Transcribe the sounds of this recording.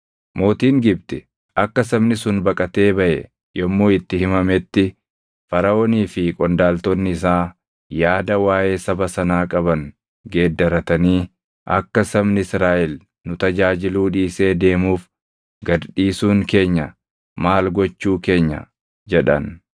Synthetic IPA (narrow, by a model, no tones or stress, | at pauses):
mo̞ːt̪iːŋɡɪbt̪ɪ | ʔɐkːɐsɐbnɪsʊnbɐkʼɐt̪e̞ːbɐʔɛ̰ | jɔmːoːɪt̪ːɪhɪmɐmɛt̪ːɪ | fɐɾɐoːniːfɪkʼɔnd̪aːlt̪ɔnːɪɪsaː | jaːd̪ɐwaːʔe̞ːsɐbɐsɐnaːkʼɐbɐŋ | ɡe̞ːd̪ːɐɾɐt̪ɐniː | ʔɐ̰kːɐsɐmnɪsɾaːʔɛl | nʊt̪ɐd͡ʒaːd͡ʒɪluːᶑiːse̞ːd̪e̞ːmuːf | ɡɐd̪ᶑiːsuːŋke̞ːɲːɐ | maːlɡɔt͡ʃːuːke̞ːɲːɐ̰ | d͡ʒɛᶑɐ̰n